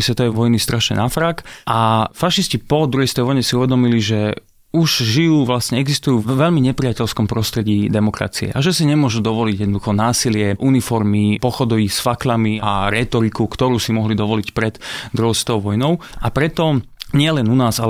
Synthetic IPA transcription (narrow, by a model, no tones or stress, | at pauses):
isʋɛt̪ɔʋɛʋɔjnist̪ɾʔaʃɲɛ̰nafɾaːkʔafaʃiscipɔd̪ɾɔjist̪ɛjʋɔjɲɛsiuʋɛd̪ɔmiliʒɛ | uʒʒijuːʋlasɲɛɛɡzist̪ujuːʋɛʎmiɲɛpɾiacɛʎskɔmpɾɔst̪ɾɛɟiːd̪ɛmɔkɾa̰t͡siɛ̰ʔaʒɛsiɲɛmʊɔʒud̪ɔʋɔliɟjɛd̪nɔd̪uxɔnaːsilɪɛʔunifɔɾmipɔxɔd̪ɔʋisfaklamiaɾɛt̪ɔɾikukt̪ɔɾuːsimɔɦlid̪ɔʋɔlicpɾɛd̪d̪ɾɔst̪ɔʊʋɔjnɔʊʔapɾɛt̪ɔ | ɲɪɛlɛnunaːzalɛ